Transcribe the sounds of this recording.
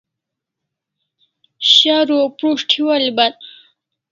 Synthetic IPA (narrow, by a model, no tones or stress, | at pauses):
ɕaɾopɾuʂʈʰiwalibal